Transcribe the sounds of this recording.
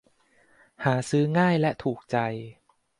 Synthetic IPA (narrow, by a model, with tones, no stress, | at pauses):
haː˩˦sɯː˦˥ŋaː˥˩jlɛ˦˥ʔt̪ʰuː˨˩k̚t͡ɕa˧j